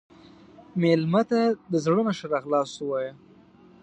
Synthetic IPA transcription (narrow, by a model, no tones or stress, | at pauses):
melmat̪ad̪əzɽənaʃaɾɑɣlɑsuwɑja